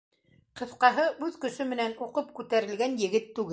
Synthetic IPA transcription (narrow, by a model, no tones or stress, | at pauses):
qɤ̆θqɑɦɤʔʉðkɵ̆ʃɵmɘ̆nænuqɤpkʉt̪æɾɘ̆lɡænjɘ̆ɡɘt̪ːʉɡɘ